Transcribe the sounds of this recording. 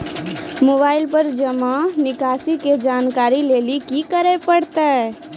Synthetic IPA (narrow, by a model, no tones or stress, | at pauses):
moːbaːɪlpəɾd͡ʒəmanɪkaːsiked͡ʒaːnkaːɾileːlikikəɾepəɽt̪aɦɛ